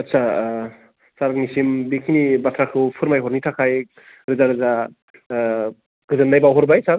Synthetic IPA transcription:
ɐtsʰa | saɾnisimbekʰinibatʰɾakʰɯwpʰɯɾmajɦɔɾnitʰakʰaj | ɾɯzaɾɯza | ɡ̥ɯzɯnːajbawɦɔɾbajsaɾ

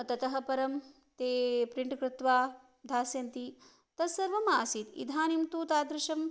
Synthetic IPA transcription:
t̪ɐt̪ɐɦɐ̆pɐɾɐm | t̪eːpɾiɳʈkɾɪt̪ʋaː | d̪ʱaːsjɐnt̪i | t̪ɐsɐɾʋɐmaːsit̪ḭd̪ʱaːnimt̪uːt̪aːd̪ɾɪʃɐm

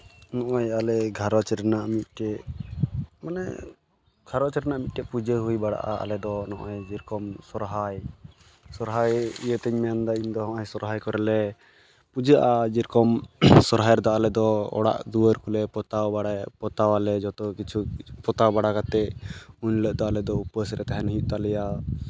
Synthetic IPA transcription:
nɔʔajalɛɡʱaɾɔt͡ʃɛɾɛnaʔmit̪̚ˀkɛ | manɛ̰ | ɡ̥ʱaɾɔt͡ʃɛɾɛnaʔmit̪̚kɛpud͡ʒəɦujbaɽa̰ʔa̰a̰lɛd̪ɔnɔʔɔjd͡ʒiɾkɔmsɔɾɦaj | sɔɾɦajijət̪ɛɲmɛjand̪aiɲd̪ɔɦɔ̃ʔajsɔɾɦajkɔɾɛlɛ | pud͡ʒəʔad͡ʒiɾkɔmsɔɾɦajɾd̪ɔalɛd̪ɔɔ̰ɽa̰ʔd̪uəɾkulɛpɔt̪awpɔt̪awalɛd͡ʒɔt̪ɔkit͡ʃʰupɔt̪awbaɽakat̪ɛuɲləʔd̪ɔalɛd̪ɔupəsɾɛt̪aɦɛnɦiʔ̚t̪alɛja

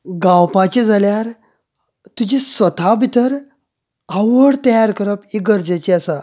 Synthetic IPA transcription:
ɡãwpat͡ɕid͡zʱaljaɾ | t̪ud͡ʑisʋət̪ʰabʱit̪əɾ | aʋəɽt̪əjaɾkəɾəpiɡəɾd͡ʑat͡ɕiasa

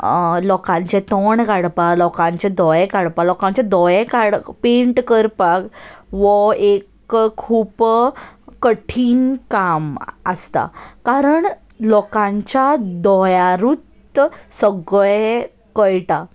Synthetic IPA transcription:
lɔkãɲt͡ɕɛt̪ɔɳkaɽpalɔkãɲt͡ɕɛd̪ɔjekaɽpalɔkãɲt͡ɕad̪ɔjɛkaɽpeɳʈkəɾpakʋɔekkʰːuːp | kəʈʰiːnkaməst̪a̰kaɾəɳ | lɔkãɲt͡ɕad̪ɔjaɾut̪ | səɡɭe | kəjʈa

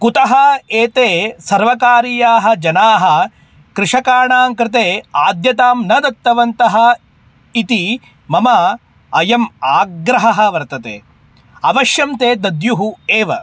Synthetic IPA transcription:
kut̪ɐɦɐeːt̪eːsɐɾʋɐkaːɾijaːɦɐ̆d͡ʒɐnaːɦɐ̆ | kɾɪʂɐkaːɳaːŋkɾɪt̪eːaːd̪jɐt̪aːmnɐd̪ɐt̪ːɐʋɐnt̪ɐɦɐ̆ | it̪i | mɐmɐ | ɐjɐmaːɡɾɐɦɐɦɐ̆ʋɐɾt̪ɐt̪ḛː | ɐʋɐʃjɐmt̪eːd̪ɐd̪juɦueːʋɐ

